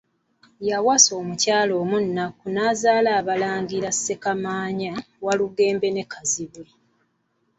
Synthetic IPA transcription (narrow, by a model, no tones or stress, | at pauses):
jawaso̞ːmucaːlo̞ːmunːakunaːzaːlaːβalaːŋɡiɾasːe̞kamaːɲa | waluɡe̞ːmbe̞ne̞kʰaziβui